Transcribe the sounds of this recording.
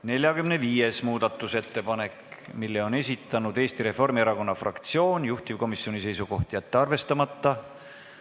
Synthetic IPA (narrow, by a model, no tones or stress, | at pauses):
ne̞lʲjɑɡymneviːjesmuːd̪̥ɑt̪ːˑuse̞t̪ːe̞pɑne̞kmilːeo̞ne̞s̬ʲit̪ːˑɑnud̪e̞ːst̪iɾe̞fo̞rmieɾɑko̞nːɑfrɑ̰kt̪sio̞ːnjuht̪ivko̞misːio̞nʲise̞jsuko̞ht̪jɑt̪ːeɑrve̞st̪ɑmɑt̪ːɑ